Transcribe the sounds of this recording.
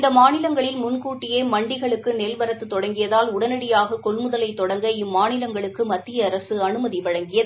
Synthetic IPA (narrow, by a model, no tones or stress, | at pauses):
ɪnd̪ɐmaːnɪlɐŋɡɐɭɪlmʊnkuːʈːɪjeːmɐɳɖɪɣɐɭɯkːɯnɛlʋɐɾɐt̪ːɯt̪ːɔɽɐŋɡɪjɐðaːlʊɽɐnɐɽɪjaːɣɐkɔɭmɯðɐlɐɪt̪ːɔɽɐŋɡɐɪmːaːnɪlɐŋɡɐɭɯkːɯmɐt̪ːɪjɐːɾɐsɯɐnɯmɐðɪʋɐɻɐŋɡɪjɐðɯ